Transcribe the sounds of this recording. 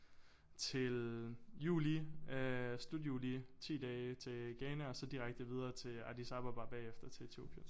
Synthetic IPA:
t͡sʰe̝ljṵːli | slud̥jṵːlit͡sʰḭːd̥ɛːɪt͡sʰe̝ɡ̥ɛːnæɒ̽sɒ̽d̥iʁaɡ̥̚d̥əʋið̞ˠɐːt͡sʰe̝æ̰d̥isɑ̈b̥ɐb̥ɑ̈b̥ɛ̰ːefd̥ɐt͡sʰe̝et͡sʰeo̝̰b̥ʰjən

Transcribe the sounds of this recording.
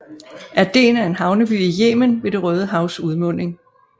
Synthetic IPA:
ʔæd̥e̝̰ːnæe̝nɦɑ̈ʊnəb̥yːijeːmənʋe̝d̥e̝ʁœːð̞ˠəɦɑ̈ʊsuðˠmɔ̽n̰e̝ŋ

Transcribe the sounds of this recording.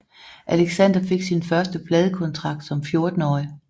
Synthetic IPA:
ʔæleɡ̥sænd̥ɐfe̝ɡ̥sinfɶɐsd̥əb̥lɛːð̞ˠəkʰɒ̽nt͡sʰʁɑ̈ɡ̥̚d̥sɒ̽mfjo̝ɐd̥n̩ɒːɪ

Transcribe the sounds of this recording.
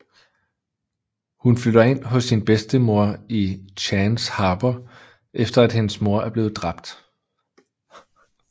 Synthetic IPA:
hunflyɾ̥ɐe̝n̰ɦɔ̽sːinb̥esd̥əmo̝ɐ̰iɕʰænshɑ̈ːb̥ɐ | ʔefd̥ɐæd̥henəsmo̝ɐæɐb̥le̝ːð̩ˠd̥ʁɑ̈b̥̚d̥

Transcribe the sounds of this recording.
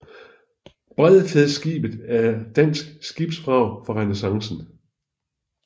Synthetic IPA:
b̥ʁɛð̰ˠfeðˠsɡ̥ḭːb̥ð̩ˠæɐd̥æn̰sɡ̥sɡ̥ib̥sb̥ʁɑ̈ʊ̰fɒʁanəsɑ̈ŋsn̩

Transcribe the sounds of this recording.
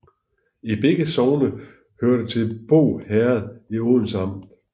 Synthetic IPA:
ib̥eɡ̥əsɒʊnə | høɐ̰ɾ̥ət͡sʰe̝lb̥o̝̰ːhæɐð̞̩ˠioðˠn̩sɑ̈m̰̥

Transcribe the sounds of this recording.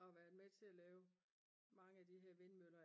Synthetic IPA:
ɒ̽ʋæɐd̥ˠmet͡sʰe̝lælɛːʊ | mɑ̈ŋəæd̥iɦeɐ̰ʋe̝nmølɐ

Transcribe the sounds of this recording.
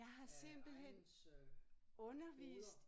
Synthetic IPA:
ɑ̈ɪɦɑ̈se̝m̰b̥l̩ɦen̰ | ɔ̽nɐʋḭːsd̥

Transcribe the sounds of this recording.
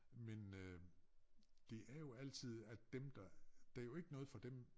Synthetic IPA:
men | d̥e̝ʔæɐjo̝æl̰t͡sʰið̞̰ˠæd̥emd̥ɑd̥æjo̝e̝ɡ̥ənɔ̽ːð̞̩ˠfɒ̽d̥em

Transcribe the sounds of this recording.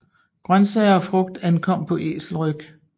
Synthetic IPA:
ɡ̥ʁɶnsɛɪɐɒfʁɔ̽ɡ̥̚d̥ænkʰɒ̽m̰pʰɒ̽ʔe̝̰ːsl̩ʁœɡ̥

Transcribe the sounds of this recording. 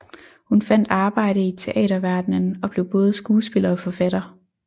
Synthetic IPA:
hunfæn̰d̥ɑ̈ːb̥ɑ̈ɪ̰ɾ̥əit͡sʰe̝ʔɛ̰ːɾɐʋæɐd̥nənɒ̽b̥le̝ʊb̥ɔ̽ːð̞̩ˠəsɡ̥uːsb̥e̝lɐɒ̽fɒ̽fædɾ̥ɐ

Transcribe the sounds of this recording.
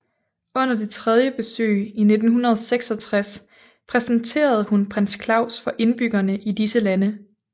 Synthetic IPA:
ɔ̽n̰ɐd̥e̝t͡sʰʁɛð̞ˠjəb̥e̝sø̰ːine̝d̥n̩ɦunɐð̞ˠseɡ̥sɒ̽t͡sʰʁas | pʰʁɛsn̩t͡sʰe̝̰ːɐð̞̩ˠhunpʰʁanskʰlɑ̈ʊ̰sfɒ̽ʔe̝nb̥yɡ̥ɐnəʔid̥isəlænə

